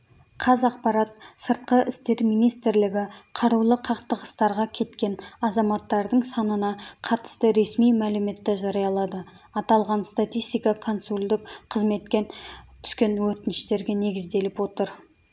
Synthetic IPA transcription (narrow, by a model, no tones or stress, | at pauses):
qʰɑzɑq̚pɑɾɑt̪səɾt̪̚qəʔɪst̪e̞ɾmijnijst̪ɪɾlɪɡʲɪqʰɑɾuwlˠəqʰɑqt̪əʁəst̪ɑɾʁɑkʲʰe̞t̪kʲe̞nɑzɑmɑt̪ːɑɾd̪əɴsɑnənɑqʰɑɾt̪ə̥st̪əɾe̞smijmælɪme̞t̪ːeʒɑɾɑjɑlˠɑd̪ə | ɑt̪ɑlˠʁɑnst̪at̪ʲijst̪ijkɑkʰo̞nsulʲd̪ɪkqʰəzme̞t̪kʲe̞t̪ʰʏ̥skʲe̞nwɵt̪ɪnɪʃt̪e̞ɾɡʲe̞ne̞ɡʲɪzd̪e̞lɪpwo̞t̪əɾ